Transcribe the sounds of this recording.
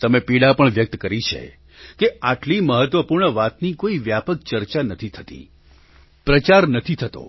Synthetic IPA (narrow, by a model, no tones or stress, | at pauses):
t̪əmepiɽapəɳʋjək̚t̪kəɾit͡ʃʰḛ | keaʈliməɦət̪ʋəpuɾɳəʋat̪nikoiʋjapək̚t͡ʃəɾt͡ʃanət̪ʰit̪ʰət̪ḭ | pɾət͡ʃaɾnət̪ʰit̪ʰət̪o̰